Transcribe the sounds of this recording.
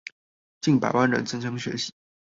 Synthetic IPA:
t͡ɕi˥˩ŋpa̰˨˩ɪwa˥nɻə̰˧˥nt͡sə˥nʈ͡ʂʰɑ˥ŋɕɥɛ̰˧˥ɕi̥˧˩˥

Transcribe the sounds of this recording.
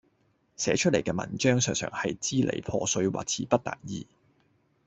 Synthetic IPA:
sɛː˨˥t͡ʃʰɵ˥t̚le˨˩jkɛː˧mɐ̰˨˩nt͡ʃœː˥ŋsœː˨ŋsœ̰ː˨˩ŋhɐ˨jt͡siː˥lʔḛ˨˩jpʰɔː˧sɵ˧ɥwa̰ː˨k̚t͡sʰiː˨˩pɐ˥t̚t̪a̰ː˨˩njiː˨˧

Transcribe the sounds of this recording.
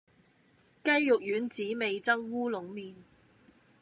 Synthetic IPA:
kɐ˥jːʊ˨k̚jyː˨˥nt͡siː˨˥me˨jt͡sɐ˥ŋwuː˥lʊ˨˥ŋmiː˨n

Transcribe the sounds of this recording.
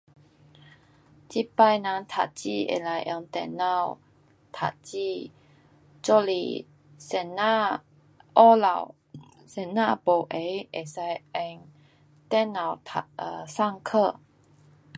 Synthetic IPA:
t͡ɕi˥pa˥˧jnã˧nt̪ʰa̰˨˩t͡ɕḭ˥˧ḛ˨˩la˧jʔə˧ŋt̪ɛ̰˧˩na˥˧˨w | t̪ʰa̰˨˩tt͡ɕi˥˧˨ | t͡ɕo˥˧lḭ˧˨˩ | sɛ˧na˥˧ | ʔɔ˦la˨w | sɛ˧˩na̰˥˨po˨˩ʔe˨˧˦ʔe˨˩sa˧jɛ˧ŋ | t̪ɛ˥na˨˩wtʰa˨ə˧sa˥˨ŋkʰə˥˧

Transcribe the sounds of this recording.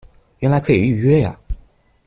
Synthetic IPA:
ɥɛ˧˥nla˧˥ɪkʰɤ˧˥i˨˩y˥˩ɥɛ˥ja̰˨

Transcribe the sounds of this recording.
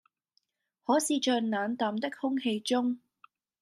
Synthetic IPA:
hɔː˨˥siː˨˧t͡ʃœː˨naː˨˥nt̪aː˨˩mt̪ɪ˥k̚hʊ˥ŋhe˧jt͡ʃʊ˥ŋ

